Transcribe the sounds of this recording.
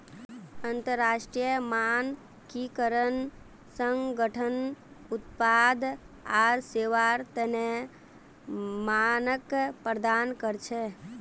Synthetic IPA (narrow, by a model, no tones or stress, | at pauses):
ənt̪əɾːaʃʈɾijəman | kikəɾən | sə̃ŋɡəʈʰənut̪pad̪ | aɾseʋaɾt̪əne | manəkpɾəd̪ankəɾt͡ʃʰɛ